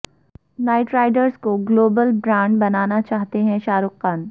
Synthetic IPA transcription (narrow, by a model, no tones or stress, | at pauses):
naːɪʈɾaːɪɖəɾzkoɡloːbəlbɾãːɳɖbɐnaːnat͡ʃaːɦt̪eɦɛ̃ʃaːɾʊqːaːn